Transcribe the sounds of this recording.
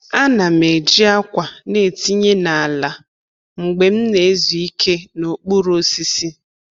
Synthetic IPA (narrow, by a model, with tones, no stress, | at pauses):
a˦na˨me˨d͡ʒi˦a˦kʷa˨ne˨ti˦ɲe˦na˨a˨la˨ | ŋ͡m̩˨ɡ͡be˨m̩˦ne˨e˦zu˨i˦kʰe˦no˨k͡pu˦ɾo˦si˦si˦